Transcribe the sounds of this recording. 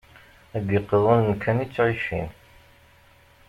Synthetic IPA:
æɡiqːəðˤənnkʰːænit͡sːʕiʃḭn

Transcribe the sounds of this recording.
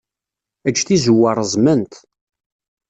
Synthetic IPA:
æd͡ʒːθizuwːɑɾˤəzˤmənt̪

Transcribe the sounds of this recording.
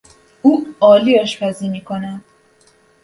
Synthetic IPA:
uːɒːliːɒʃpʰæziːmiːkʰonæd̪̥

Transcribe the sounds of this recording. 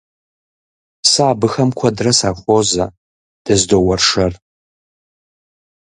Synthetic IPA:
saːbɨxɐmkʷʰɐdrɐsaχʷoza | d̥ɐzdowɐrʂɐr

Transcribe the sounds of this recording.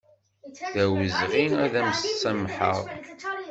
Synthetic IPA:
ðæwəzʁinæðæmsːæmħə̰ʁˤ

